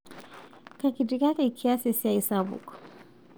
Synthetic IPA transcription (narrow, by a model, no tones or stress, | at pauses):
kakitikakɛkʰiasisiaisabṵkḁ